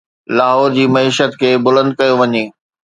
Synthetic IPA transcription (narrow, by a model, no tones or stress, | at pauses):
laːɦɔːɾd͡ʑiːmɐiːʃət̪kʰeːbʊlə̃nd̪̚kɐjoʋɐɲeː